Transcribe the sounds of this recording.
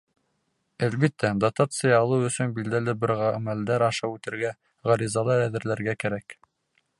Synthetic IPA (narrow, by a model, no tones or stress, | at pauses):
ælbit̪ːæd̪ɐt̪ɑt̪sɨjɑːlˠɤwɵ̆sɵnbild̪ælɘbɘ̆ɾʁɑmæld̪æɾɑʃɑʉt̪ɘ̆ɾɡæ | ʁɑɾizɑlˠɑɾæðɘ̆ɾlæɾɡækæɾæk